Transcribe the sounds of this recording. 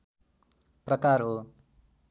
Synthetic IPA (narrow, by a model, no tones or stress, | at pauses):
prʌkarɦo